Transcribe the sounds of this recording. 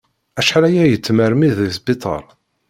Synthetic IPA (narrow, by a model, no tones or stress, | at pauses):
æʃħɾæjæjət͡sːməɾmiðisbit̪ˤɑ̰ɾˤ